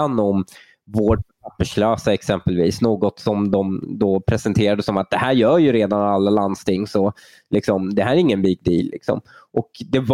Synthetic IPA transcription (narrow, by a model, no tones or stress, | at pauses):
anːɔm | voːʈpʰapːəʂløːsaɛksɛmpəlviːsnoːɡɔt̪sɔmd̪ɔmd̪ɔpʰɾɛsɛnt̪ʰeːɾad̪əsɔmat̪̚d̪ɛhæːɾjœːɾjɵɾeːd̪analːaland̪st̪ʰɪŋːsɔ | lɪksɔmd̪ɛɦæːɾæɾɪŋːənbiːk̚d̪iːlːɪ̰ksɔ̰mʔɔkd̪ɛv